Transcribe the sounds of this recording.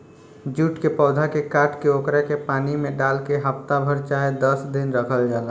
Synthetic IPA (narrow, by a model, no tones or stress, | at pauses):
d͡ʒuʈkepɔːd̪ʱakekaʈkeokɾekepanimẽɖalkeɦəpt̪abʱəɾt͡ʃaɦed̪əsd̪inɾəkʰəld͡ʒalə